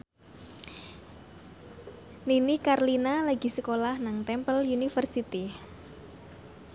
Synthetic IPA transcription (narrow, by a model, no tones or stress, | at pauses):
ninikarlinalaɡ̥i̤səkolahnaŋt̪ɛmpəljunifərsit̪i